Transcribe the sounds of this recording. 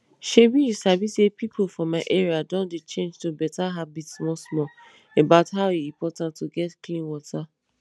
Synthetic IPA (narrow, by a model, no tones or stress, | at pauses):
ʃebiisabisepipʰofɹɔ̃mːaɪʔɛɹiadõndet͡ʃẽnd͡ʒtubɛtaɦabitsmɔsmɔ | ebaʊtɦaʊiĩpɔtãntːuɡɛtklĩnwɔtʰa